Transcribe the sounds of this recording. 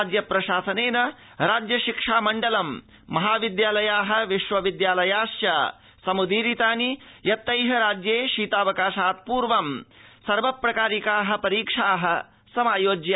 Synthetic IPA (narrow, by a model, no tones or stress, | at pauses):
d͡ʒjɐpɾɐʃaːsɐneːnɐ | ɾaːd͡ʒjɐʃikʂaːmɐɳɖɐlɐmː | ɐɦaːʋid̪jaːlɐjaːɦɐ̆ʋiʃʋɐʋid̪jaːlɐjaːʃja | sɐmud̪iːɾit̪aːnijɐt̪ːɐjɦɐɾaːd͡ʒjeːʃiːt̪aːʋɐkaːʃaːt̪̚puːɾʋɐmsɐɾʋɐpɾɐkaːɾikaːɦɐ̆pɐɾiːkʂaːɦɐ̆ | sɐmaːjoːd͡ʒjɐ